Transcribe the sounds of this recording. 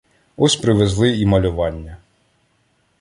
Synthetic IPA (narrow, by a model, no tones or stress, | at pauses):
ɔsʲpɾɪʋezlˠɪimɐlʲʊʋɑnʲːɐ